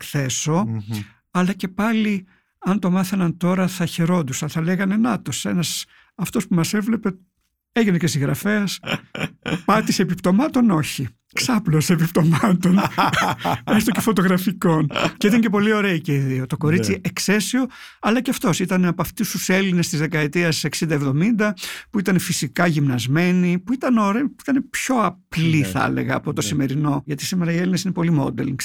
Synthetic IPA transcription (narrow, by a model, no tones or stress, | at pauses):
kθe̞so̞ | ɐlɐce̞pɐli | ɐnt̪o̞mɐθɐnɐnt̪o̞ɾɐθɐçeɾo̞nd̪usɐnθɐle̞ɣɐne̞nɐt̪ose̞nɐs | ɐft̪o̞spumɐse̞vle̞pe̞ | e̞ʝinecesiɣɾɐfe̞ɐs | pɐt̪isepipt̪o̞mɐt̪o̞no̞çi | ksɐpleose̞pipt̪o̞mɐt̪o̞n | est̪ocefo̞t̪o̞ɣɾɐfiko̞nceit̪ɐnce̞po̞lio̞ɾe̞iceiðio̞t̪o̞ko̞ɾit͡siekse̞sio̞ | ɐlɐceɐft̪o̞sit̪ɐneɐpoɐft̪ist̪use̞line̞st̪izðe̞kɐet̪iɐseksind̪ɐevðo̞mind̪ɐpuit̪ɐnefisikɐʝimnɐzme̞nipuit̪ɐnoɾepit̪ɐne̞pço̞ɐpliθɐɐ̰le̞̰ɣɐːpo̞t̪o̞sime̞ɾino̞ʝɐt̪i̥simeɾɐie̞linesine̞po̞limo̞̰d̪ḛliŋs